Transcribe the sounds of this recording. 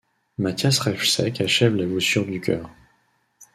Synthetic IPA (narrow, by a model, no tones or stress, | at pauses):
mat̪jasχɛfsɛkaʃɛvlavusyʁd̪ykʲœ̰ːʁ